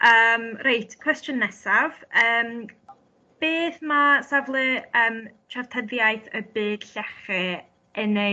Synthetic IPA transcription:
ʔəːmrejtʰkʰw̥ɛstənːɛsav̥əːm | b̥eːθmasavlˠɨəːmt͡ʃʰavtʰəðjajθəbɨːd̥ɬɛχɨ | əne

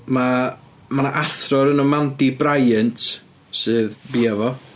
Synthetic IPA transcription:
ma | manaʔaθrɔɾənɔmandibrajɨntʰ | sɨːðbiːavɔ

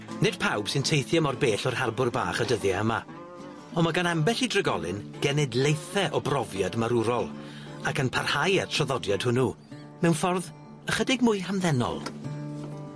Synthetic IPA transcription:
nɪd̥pʰawb̥sɨntʰejθjamɔrbeːɬɔrhɛrbʊrba̰ːχədəðjaəma̰ | ɔnmaɡanambɛɬidrəɡɔ̰lˠɨ̰nɡ̥ɛnɛdlˠejθɛʔɔbrɔvjadmaɾʊɾɔlˠ | akənpʰarhajɛrtʰrɔðɔdjad̥hʊnu | mɛwnfɔrð | əχədɪɡmʊɨhamðɛnɔ̰l̥ˠ

